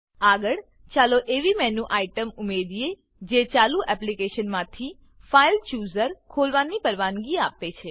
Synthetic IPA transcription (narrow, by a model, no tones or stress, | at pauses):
aɡəɭ | t͡ʃaloʔeʋimɛnũʔaiʈəmʊmed̪ie | d͡ʒet͡ʃaluʔɛplikeʃənmãt̪ʰi | failt͡ʃuzəɾkʰolʋanipəɾʋanɡiapet͡ʃʰe